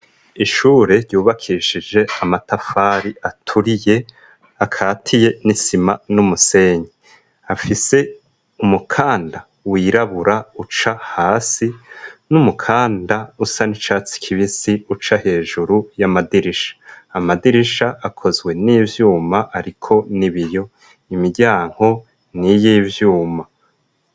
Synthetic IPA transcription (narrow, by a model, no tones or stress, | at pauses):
iʃuːɾe̞ɾɟuːβakʰiʃid͡ʒe̞amatafaːɾiʔatʰuɾije | akʰaːtʰije̞nisimanumuse̞ːɲi | afise̞ | umukʰaːnda | wiːɾaβuɾaut͡ʃahaːsinumukʰaːndausanit͡ʃaːt͡si̥kʰiβisiut͡ʃahe̞ːʒuɾujamadiɾiʃḁːmadiɾiʃaʔakʰo̞zɡwe̞niːvjuːmaʔaɾikʰo̞niβijo̞ | imiɟaːŋ̥ho̞ | nijiːvjuːma